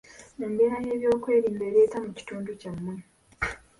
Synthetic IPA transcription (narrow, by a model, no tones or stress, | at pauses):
embiɾaje̞ːβjo̞ːkwe̞ːɾiːmbe̞ːɾe̞ːtamuci̥tuːnducamːu